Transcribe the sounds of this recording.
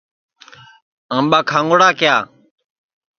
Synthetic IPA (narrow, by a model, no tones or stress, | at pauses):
ãːmɓaːkʰãːŋɡoɽaːkɪjaː